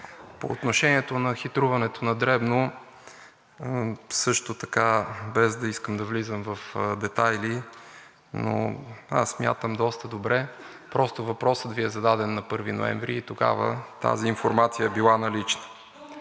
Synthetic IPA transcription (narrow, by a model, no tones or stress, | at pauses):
po̰ːt̪noʃɛniɛt̪onɐxit̪ɾuvɐnɛt̪onɐd̪ɾɛbno | sɤʃt̪ot̪ɐkabɛzd̪ɐiskəmd̪ɐvlizəmvɐfd̪ɛt̪ajli | no̰a̰ssːmʲja̰t̪əmd̪ɔst̪əd̪obɾɛ | pɾɔst̪ovɐpɾɔsət̪viɛzɐd̪ad̪ɛnːɐpɤɾvino̰ɛ̰ɱvɾiːt̪oɡa̰və̰t̪a̰ziːnfoɾmat̪sijəɛbilˠanɐlit͡ʃnə